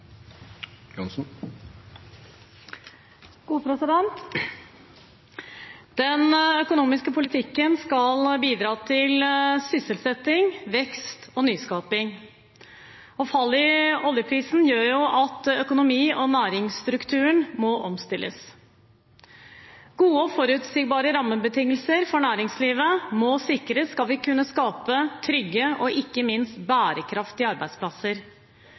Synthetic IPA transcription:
jɔnsn | ɡ̥uːpʰɾɛsɪd̪ɛnt̪ | d̪̥ɛnœkʊnuːmɪskəpʰʊlɪt̪ʰɪkːənskɑlbiːd̪ɾɑːt̪ʰɪlsʏsəlsɛt̪ːɪŋʋɛkst̪ɔnyːskɑːpɪŋ | ɔfɑlːɪɔljəpʰɾiːsn̩jøːɾjʊʔɑt̪œkʊnʊmiːʔɔnæːɾɪŋst̪ɾʉkt̪ʰʉːəɳmɔʔɔmst̪ɪlːʔə̰s | ɡ̥uːəɔfɔɾʉːt̪sɪːɡbɑːɾəɾɑmːəbət̪ʰɪŋːəlsəɾfɔɳæːɾɪŋsliːʋəmɔsɪkːɾəskɑlʋɪkʰʉnːəskɑːpət̪ʰɾʏɡːəʔɔʔɪkːəmɪnst̪bæːɾəkʰɾɑft̪ɪɑɾbæɪd̪spʰlɑsəɾ

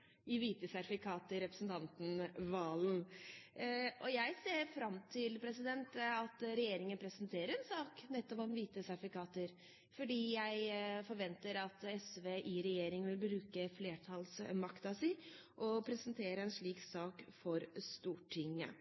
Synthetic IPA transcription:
ɪʋiːt̪əsæɾɪfɪkʰɑːt̪əɾɛpɾə̥snt̪ʰɑnt̪n̩ʋɑːln | ʔɔjæɪseːɾfɾɑmt̪ʰɪlpʰɾɛsɪd̪ɛnt̪ɑt̪ɾɛjeːɾɪŋənpʰɾɛsənt̪ʰeːɾəɾɛnsɑːknɛt̪ːɔpɔmʋiːt̪əsæɾfɪkʰɑːt̪əɾ | fɔɖiːjæɪfɔɾʋɛnt̪əɾɑt̪ɛsʋeʔɪɾɛjeːɾɪŋʋɪlbɾʉːkəfleːʈʰɑlsmɑkt̪ɑsɪʔɔpʰɾɛsənt̪ʰeːɾəɛnʂɭiːksɑːkfɔɾst̪uːʈʰɪŋːə̰

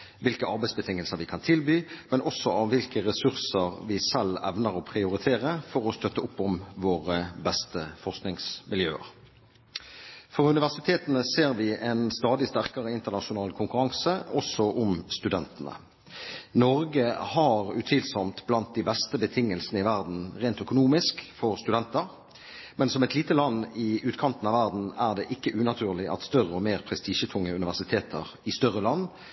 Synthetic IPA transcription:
ʋɪlkəɑʁbæɪsbət̪ʰɪŋːəlsəʁʋɪkʰɑnt̪ʰɪlbyːmɛnʔɔsɔɑʋʋɪlkəʁɛsʉʁsəʁʋɪsɛlɛ̰ʋnəʁɔpʰʁɪʊɾɪt̪ʰeːʁəfɔʁɔst̪œt̪ːəʊpːɔmʋoːʁəbɛst̪əfɔʁsknɪŋsmʔɪljøːə̰ʁ | fɔʁʉnɪʋæʁsɪt̪ʰeːt̪ənəseːʁʋɪʔɛnst̪ɑːd̪ɪst̪æʁkɑʁəɪnt̪ənɑʂʊnɑːlkʰʊŋkʉɾɑŋsəɔsɔʔʊmst̪ʉd̪ɛnt̪ənə̰ | nɔʁɡəhɑʁʉ̰t̪ʰiːlsɔmt̪blɑnt̪̚d̪ibɛst̪əbət̪ʰɪŋːəlsənəɪʋæʁd̪n̩ʁeːnt̪œkʊnuːmɪskfɔʁst̪ʉd̪ɛnt̪əʁ | mɛnsɔmɛt̪liːt̪əlɑnːɪʉːt̪kʰɑnt̪n̩ɑʋæʁd̪n̩æʁd̪ɛːʔɪkːəʔʉːnɑt̪ʰʉːʁlɪʔɑ̰t̪st̪œʁəɔmeːʁpʰʁɛst̪iːʃət̪ʰʊŋːəʉnɪʋæʁsɪt̪ʰeːt̪ʰə̰ʁɪst̪œʁːəlɑnː

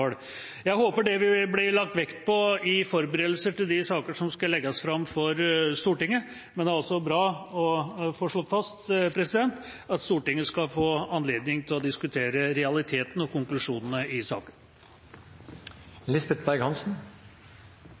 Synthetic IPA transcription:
ɽ | jæɪhoːpəɖɛʋɪblɪlɑkt̪ʋɛkt̪pʰɔɪfɔɾbəɾeːd̪l̩səʈɪld̪ɪsɑːkəʂɔmskɑlɛɡːɔsfɾɑmfɔɾst̪uːʈɪŋːə | mɛnd̪æɾɔlsɔbɾɑːɔfoːʂɭoːfɑst̪pʰɾɛsɪd̪ɛnt̪ɑt̪st̪uːʈɪŋːəskɑfoːɑnleːd̪nɪŋt̪ʰɪlɔd̪ɪskʉt̪ʰeːɾəɾɛɑlɪt̪ʰeːt̪ənɔkʊŋklʉʂuːnənəɪsɑ̰ːkən | lɪsbɛt̪bæɾɡhɑnsn̩

